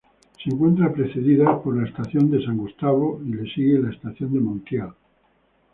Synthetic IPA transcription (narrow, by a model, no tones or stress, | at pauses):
seeŋkwe̞nt̪ɾapɾe̞θe̞ðiðapoɾlae̞st̪aθjo̞nd̪e̞saŋɡust̪aβoile̞siɣelaest̪aθjo̞nd̪e̞mõnt̪jal